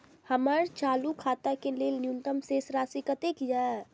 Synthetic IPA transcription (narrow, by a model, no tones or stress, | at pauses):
həməɾt͡ʃalukʰaːt̪akeleːlnjunt̪əmsesɾasikət̪ekja